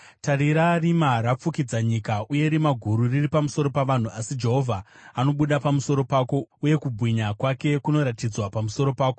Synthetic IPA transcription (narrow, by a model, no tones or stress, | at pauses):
taɾiɾarimarap͡fukid͡zaɲikaʔuje̞ɾimaɡʱuɾuriripamuso̞ɾo̞paʋan̤uasid͡ʒe̞ɦo̞vʱaano̞ɓuɗapamuso̞ɾo̞paːko̞uje̞kubʱwiɲakwake̞kuno̞ɾatid͡zwapamuso̞ɾo̞paːko